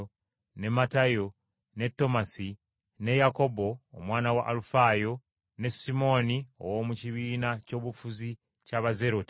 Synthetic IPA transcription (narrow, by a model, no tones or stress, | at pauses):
ne̞matajo̞ | ne̞tːo̞masi | ne̞jako̞bo̞̰ːmwaːnawaʔalufajo̞ | ne̞simo̞nio̰womuciβiːnaco̞ːβufuzi | caβaze̞ɾoti̥